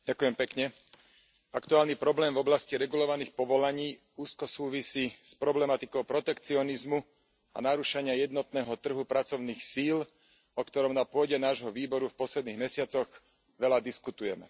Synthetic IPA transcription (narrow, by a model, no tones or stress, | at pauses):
ɟakujɛmpɛkɲɛ | akt̪uaːlnipɾɔblɛːmvɔblasciɾɛɡulɔʋaniːxpɔʋɔlaɲiː | uːskɔsuːʋisiːspɾɔblɛmat̪ikɔʊpɾɔt̪ɛkt͡siɔnizmu | a̰naɾuʃaɲɪajɛd̪nɔt̪nɛːɦɔt̪r̩ɦupɾat͡sɔʊniːxsiːl | ɔkt̪ɔɾɔmnapʊɔɟɛnaːʒɦɔʋiːbɔɾufpɔslɛd̪niːɣmɛsɪat͡sɔɣ | ʋɛlad̪iskut̪ujɛmɛ̰